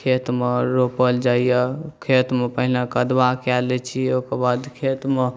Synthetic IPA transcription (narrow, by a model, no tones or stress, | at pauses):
kʰet̪meɾopəld͡ʒaijəkʰet̪mepəɦilekəd̪bakɛlɛt͡ʃʰiokebad̪kʰet̪me